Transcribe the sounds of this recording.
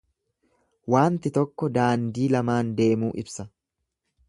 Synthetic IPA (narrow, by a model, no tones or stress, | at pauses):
waːnt̪ɪt̪ɔkːɔd̪aːnd̪iːlɐmaːnd̪e̞ːmuːʔɪbsɐ